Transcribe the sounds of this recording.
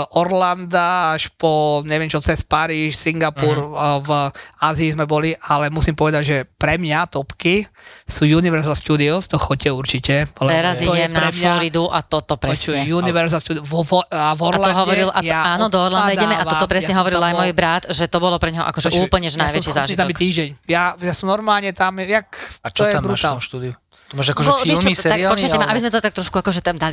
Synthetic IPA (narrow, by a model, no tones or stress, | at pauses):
ʔɔɾland̪aaʃpɔɲɛʋɪɛmt͡ʃɔt͡sɛspaɾiːʃsiŋɡapuɾvaːziːzmɛbɔliʔalɛmusimpɔʋɛd̪aɟʒɛpɾɛmɲat̪ɔpkisuːjuniʋɛɾzalʃt̪ud̪iɔst̪ɔxɔcɛuɾt͡ʃicɛlɛɛɾaziɛmnaɾɛmflɔɾid̪uʔa̰t̪ɔt̪ɔpɾɛsɛjuniʋɛɾzalʃt̪ud̪ɔvɔɾalaɔɦɔʋɔɾilʔajaaːnɔd̪ɔɔɾland̪aidɟɛmɛʔaɔt̪ɔpɾɛsɲɛɦɔʋɔɾilajmɔjbɾat̪ʒɛt̪ɔbɔlɔpɾɛɲɦɔʔa̰kɔʒɛʔuːpl̩ɲɛʒɛnajʋɛt͡ʃizaːʒit̪aɔmɛkt̪iːʒɟɛɲjajasɔmnɔɾmaːlɲɛt̪amjakt̪ɔjɛbɾut̪aʃt̪ud̪iu | maʒakɔʒɔiilmisɛaapɔt͡ʃkaɛmaabizmɛt̪ɔt̪ak̚t̪ɾɔʃkuakɔʒɛt̪amd̪ali